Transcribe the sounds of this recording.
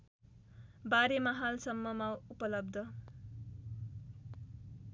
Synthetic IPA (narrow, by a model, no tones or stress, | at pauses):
baɾemʌɦalsʌmːʌmaupʌlʌb̚d̪ʱʌ